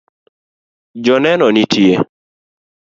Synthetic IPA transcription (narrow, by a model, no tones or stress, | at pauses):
d͡ʒɔnɛnɔnitie